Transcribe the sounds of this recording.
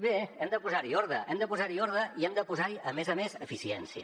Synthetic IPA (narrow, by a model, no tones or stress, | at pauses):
beɛmd̪əpuzaɾioɾðəʔɛmd̪əpuzaɾioɾðəiɛmd̪əpuzaɾiəmezəmezəfisiɛ̰nsiə̰